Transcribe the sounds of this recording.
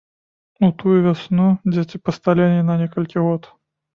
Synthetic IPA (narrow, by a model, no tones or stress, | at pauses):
ut̪ujuvʲasʲnud͡zʲet͡sʲipɐst̪alʲɛnʲɛnɐnʲɛkɐlʲkʲiɣɔt̪